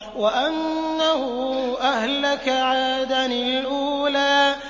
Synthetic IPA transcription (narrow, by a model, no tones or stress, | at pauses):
waʔanːahʊʔahlakaʕaːd̪aniʔuːlaː